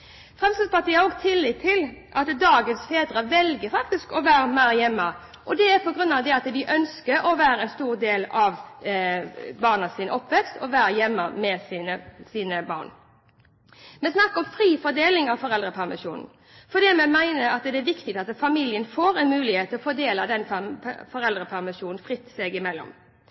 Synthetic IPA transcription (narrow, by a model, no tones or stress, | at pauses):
fʁɛmst̪əspɑt̪iːɑɔɡt̪ʰɪlːɪt̪ʰːɪlʔɑt̪d̪ɑːɡənsfeːd̪ɾəʋɛlɡəfɑk̚t̪ɪskɔʋæːɾəmæɪɾjɛmːə | ʔɔd̪ɛæpʰɔɡɾʉnːɑʋd̪ɛɑt̪d̪ɪʔœnskəɾɔʋæːɾəɛnst̪uːʁd̪eːlɑʋ | bɑːʁnəsiːnə̰ɔpːʋɛkst̪ɔʋæːɾəjɛmːəmɛsiːnəsiːnəbɑ̰ːʁn | mɛsnɑkːɔmfɾiːfɔd̪eːlɪŋɑʋfɔʁɛld̪ʁəpʰæʁmɪʂuːnn̩ | fɔd̪iːmɛmæɪnəɾɑt̪d̪ɛæʋɪkt̪ɪɡ̚t̪ɑt̪fɑmiljənfoːɾɛnmʉːlɪheːt̪ʰːɪlɔfɔd̪eːləd̪ɛnfɔɾɛld̪ɾəpʰæʁmɪʂuːnn̩fʁɪt̪ːsɛɡɪmɛlːɔ̰m